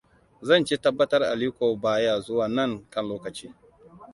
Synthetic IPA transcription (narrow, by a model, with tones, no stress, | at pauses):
zɐ˦˨nt͡ʃeː˦tɐ˦bːɐ˦tɐ˦rʔa̰˨li˦kʷoː˨baː˦ja˨zʊ˦waː˨nɐ˦˨ŋkɐ˦nloː˦kɐ˨t͡ʃiː˦